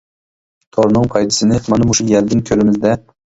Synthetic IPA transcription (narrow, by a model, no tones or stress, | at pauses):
t̪ʰoɾnɨŋpʰɑjt̪ʰɪ̥sɪnɪmanamʊʃʊjaɾd̪ɪŋkʲʰɵɾɪmɪzd̪ɛ